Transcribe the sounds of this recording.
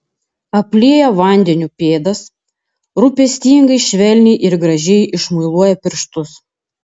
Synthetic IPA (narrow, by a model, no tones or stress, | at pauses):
ɐpʲlʲiɛjɛʋɐˑnʲd̪ʲɛnʲuːpʲeːd̪ɐs | ɾʊpʲɛsʲt̪ʲiːŋɡɐɪʃʲʋʲɛlʲnʲɛɪʔɪɾɡɾɐʒʲɛjʔɪʃmʊɪlˠuɔjɛpʲɪɾʃt̪ʊs